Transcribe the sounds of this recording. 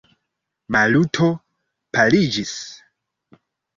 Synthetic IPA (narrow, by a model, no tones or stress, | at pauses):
malutʰo̞ | pʰalid͡ʒis